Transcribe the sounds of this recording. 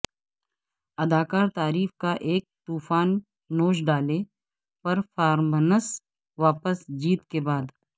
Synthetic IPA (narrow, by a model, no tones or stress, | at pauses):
ɐd̪aːkaːɾt̪aːɾiːfkaʔeːk̚t̪uːfaːnː | oːʃɖaːle | pɐɾfaːɾmənəs | ʋaːpəsd͡ʒiːt̪kebaːd̪